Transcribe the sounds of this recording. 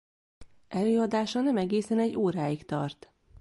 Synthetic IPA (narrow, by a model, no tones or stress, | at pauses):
ʔɛløːɒd̪aːʃɒnɛmɛɡeːsɛnɛɟːoːɾaːikt̪ɒ̰rt̪